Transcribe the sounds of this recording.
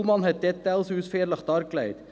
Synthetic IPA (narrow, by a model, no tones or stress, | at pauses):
lmɑnhɛt̪̚d̪ɛt̪ːəɑlsʉːsfeːɾləχd̪ɑɾklæɪt̪